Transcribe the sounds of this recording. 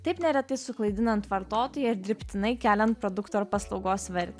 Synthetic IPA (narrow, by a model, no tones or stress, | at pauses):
t̪ɐɪpnʲɛɾʲɛt̪ɐɪsʊklˠɐɪd̪ʲɪnɐnt̪ʋɐɾt̪oːt̪oːjɛɪɾd̪ʲɾʲɪpʲt̪ʲɪnɐɪkʲæːlʲɛnt̪̚pɾod̪ʊkt̪oːɾpɐslˠɒʊɡoːsʋʲɛɾʲt̪ʲ